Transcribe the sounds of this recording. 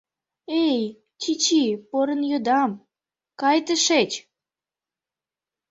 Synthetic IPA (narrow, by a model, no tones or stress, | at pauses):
ej | t͡ɕit͡ɕipoɾənjod̪ɑm | kɑjt̪əʃet͡ɕ